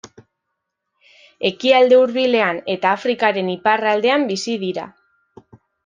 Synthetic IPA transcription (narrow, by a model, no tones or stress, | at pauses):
e̞kiald̪e̞uɾβile̞ane̞t̪aːfɾikaɾe̞niparald̪e̞ambisiðiɾa̰